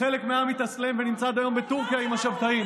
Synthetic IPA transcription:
elekmeamit̪aslemvenimt͡sad̪ajo̞mbet̪uʁkjaimhaʃabt̪aim

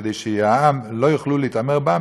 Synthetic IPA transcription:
d̪ejʃeaamlojuχluleit̪ameʁba

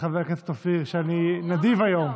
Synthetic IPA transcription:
χaveʁket̪t̪ofiʁʃeaninad̪ivajom

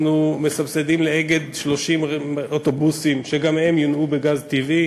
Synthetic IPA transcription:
nume̞sabsedimleeɡe̞d̪ʃlo̞ʃimoto̞busimʃe̞ɡamhe̞mjonube̞ɡazt̪ivi

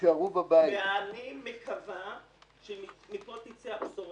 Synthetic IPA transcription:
kaʁubabajieanimekava | ʃemimipot̪it͡seapsoʁ

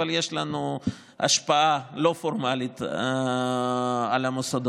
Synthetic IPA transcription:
aljeʃlanu | ʔa̰ʃpaalo̞foɾmalit̪ | alamosod̪

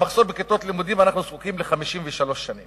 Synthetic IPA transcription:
aχsoɾbeket̪o̞t̪limud̪imanaχnuzkukimleχamiʃimveʃalo̞ʃːanim

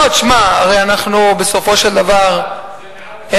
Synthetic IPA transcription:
ot̪ʃmaaʁejanaχnube̞so̞fo̞ʃeld̪avaʁ | e

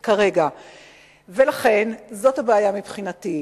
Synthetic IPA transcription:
kaʁe̞ɡa | ve̞laχe̞nzo̞thabaːjamipχinati

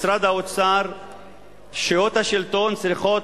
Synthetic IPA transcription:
sɾad̪aot͡saɾ | ʃeot̪haʃilt̪ont͡sɾiχo

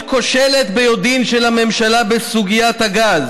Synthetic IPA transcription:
ko̞ʃele̞t̪bejod̪inʃelhame̞mʃalabesuɡijat̪haɡaz

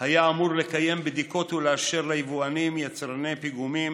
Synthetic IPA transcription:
hajaːmuʁle̞kaje̞mbd̪iko̞t̪uleaʃeʁlajivuanimjat͡sʁane̞piɡumim

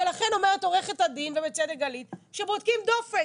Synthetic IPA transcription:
elaχeno̞meʁeto̞ʁeχetadinvebet͡sed̪eɡalitʃebod̪̚kimd̪o̞fe

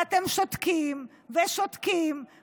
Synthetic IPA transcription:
at̪emʃot̪kim | veʃot̪kim

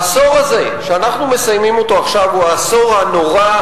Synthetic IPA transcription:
so̞ʁaze̞ | ʃeanaχnume̞sajmimo̞to̞aχʃavuaso̞ʁhano̞ʁa

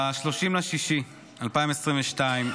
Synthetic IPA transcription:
aʃloʃimlaʃiʃi | alpaĩmesʁimveʃtaim

